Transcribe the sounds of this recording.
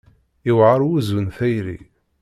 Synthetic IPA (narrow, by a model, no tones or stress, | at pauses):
iwʕəɾˤwuzənθæjɾḭ